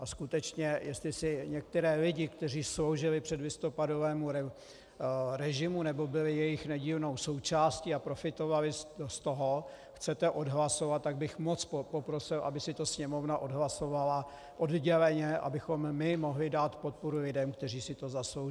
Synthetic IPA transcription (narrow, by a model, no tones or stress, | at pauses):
ʔaskut̪ɛt͡ʃɲɛjɛst̪lɪsɪɲɛk̚t̪ɛɾɛːlɪɟɪkt̪ɛr̝iːslo̞wʒɪlɪpr̥ɛdlɪst̪o̞pado̞vɛːmuɾɛ | ɾɛʒɪmunɛbo̞bɪlɪjɛjɪxnɛɟiːlno̞wso̞wt͡ʃaːsciːapɾo̞fɪt̪o̞valɪst̪oɦo̞ | xt͡sɛt̪ɛʔo̞dɦlaso̞vat̪̚t̪ːaɡ̚bɪxmot͡sppo̞pɾosɪlʔa̰bɪsɪt̪osɲɛmo̞vnaʔo̞dɦlaso̞vala | ʔodɟɛlɛɲɛʔa̰bɪxo̞mːɪmo̞ɦlɪdaːt̪pot̪̚poɾulɪdɛmk̚t̪ɛriːsɪt̪o̞zaslow